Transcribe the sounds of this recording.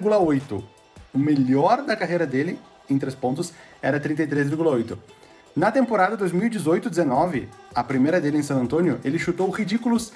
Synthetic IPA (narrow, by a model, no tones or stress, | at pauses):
ɡulɐojt̪ʊ̰ | ʊmeʎɔɾd̪ɐkaɦejɾɐd̪elɪ | ẽt̪ɾespõnt̪ʊsɛɾɐt̪ɾĩnt̪ɐjt̪ɾezviɾɡulɐojt̪ʊ | nɐt̪ẽmpoɾad̪ɐd̪ojzmiwid͡ʒizojt̪ʊd̪ɪzenɔvɪ̰ɐpɾimejɾɐd̪elɪẽsɐ̃ɐ̃nt̪õnjʊʔelɪʃut̪owhid͡ʒikulʊs